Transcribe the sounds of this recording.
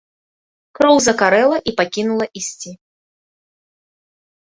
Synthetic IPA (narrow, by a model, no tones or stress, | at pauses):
kɾɔwzɐkaɾɛlˠɐʔipakʲinulˠɐʔisʲt͡sʲi